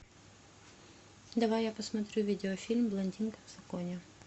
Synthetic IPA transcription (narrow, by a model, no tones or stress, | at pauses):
d̪ɐvajjːapɐsmɐt̪ɾʲuvʲidʲɪɔfʲilʲmblˠɐnʲdʲinkɐzɐkɔnʲɛ